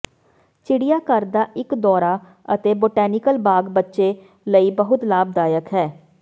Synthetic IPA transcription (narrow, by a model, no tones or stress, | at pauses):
t͡ʃɪɽijaːkəɾd̪aːʔɪkd̪ɔːɾaː | ət̪eːboːʈɛːnɪkəlbaːɡbətːʃeː | ləiːbəɦʊt̪laːb̚d̪aːjəkɦɛː